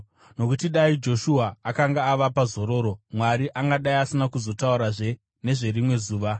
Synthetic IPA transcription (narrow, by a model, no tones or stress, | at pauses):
no̞kutiɗaid͡ʒo̞ʃuɦaːkaŋɡaːʋapazo̞ɾo̞ːɾo̞mwaɾiʔaŋɡaɗaiasinakuzo̞tauɾaʐe̞ | ne̞ʐe̞ɾimwe̞zuːʋa